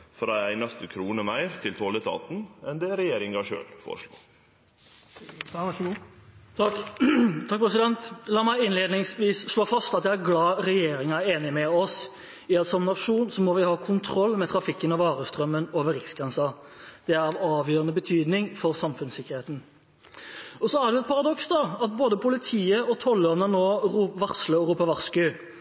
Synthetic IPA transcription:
fɔd̪æɪæɪnɑst̪əkʰɾuːnəmæɪɾt̪ʰɪlt̪ʰoːləst̪ʰɑ̰ːt̪n̩ɛnd̪ɛɾɛjeːɾɪŋɡɑʂø̰ːlfɔ̰ːɾəʂlo̰ː | t̪ʰɑk̚ːpʰɾɛsɪd̪ɛnt̪lɑːmæɪɪnleːd̪nɪŋsʋiːsʂɭoːfɑst̪ɑt̪j̪æɪæɾɡlɑːɾɛjeːɾɪŋɑæɾeːnɪmɛɔs | ɪɛt̪sɔmnɑʂuːnsɔmɔʋɪhɑːkʰʊnt̪ʰɾɔlːmɛt̪ʰɾɑfɪkːənɑʋɑːɾəst̪ɾœmːənoːʋəɾɪksɡʁɛnsɑd̪̥ɛæɾɑʋɑːʋjøːɾənəbət̪ʰyːd̪nɪŋfɔɾsɑmfʉnsɪkːəɾheːt̪n̩ | ɔsɔæʁɖ̪ʉɛt̪̚pʰɑʁɑd̪ɔksd̪ɑɑt̪̚boːd̪əpʰʊlɪt̪ʰiːəɔt̪ʰɔlːɔnənoːʁuːpʋɑʁsləɔɾuːpəʋɑʁskʉ

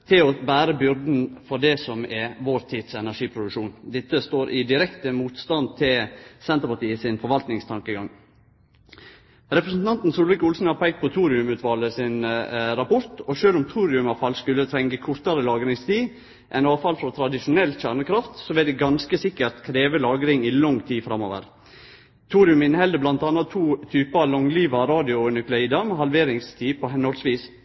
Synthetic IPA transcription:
t̪ʰɪlɔbæːɾəbʏɾd̪n̩fɔɖɛsɔmɛʋoːɾt̪ʰiːd̪̥sɛnæʂiːpʰɾʊd̪ʉkʂuːnd̪ɪt̪ːəst̪oːɾʔɪd̪ɪɾɛkt̪əmuːt̪st̪ɑnd̪̚t̪ʰɪlsɛnt̪əɾpɑt̪iːəsɪnfɔɾʋɑlt̪nɪŋst̪ʰɑŋkəɡɑŋ | ɾɛpɾəsn̩t̪ʰɑnt̪n̩suːlʋɪkʊlsn̩ɑpʰɛɡ̚t̪pɔt̪ʰuːɾɪʉmʉːt̪ʰʋɑləsɪnɾɑpɔɾt̪ɔʃøːlʊmt̪ʰuːɾɪʉmɑʋfɑlskʉlət̪ʰɾɛŋɡəkʰʊɾt̪ɑɾəlɑːɡəɾɪŋst̪ʰiː | ʔɛnɑːfɑlfɾɔt̪ʰɾɑd̪ɪʃʊnɛlːçæːɳəkʰɾɑft̪soːʋɛd̪ɛɡɑnskəsɪkːəɾt̪kʰɾeːʋəlɑːɡəɾɪŋilɔŋt̪ʰiːfɾɑmo̰ːʋə̰ɾ | t̪ʰuːɾɪʉmɪnhɛld̪əblɑnt̪ɑnːɑt̪ʰuːt̪ʰyːpɑlɔŋliːʋɑɾɑːd̪ɪʊnʏklʊiːd̪ɑmhɑlʋeːɾɪŋst̪ʰiːpʰoɦɛnɔlsʋiːs

